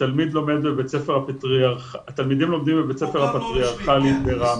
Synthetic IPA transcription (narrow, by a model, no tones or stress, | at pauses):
talmid̪lo̞med̪bebet͡sefeʁhapat̪ʁiaʁχaat̪almid̪imlo̞md̪imbebet͡sefeʁapat̪ʁiaʁχaliit̪beʁa